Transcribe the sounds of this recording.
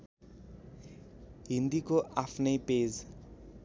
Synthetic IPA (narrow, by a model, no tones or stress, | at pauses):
ɦind̪ikoʔapʰnejped͡z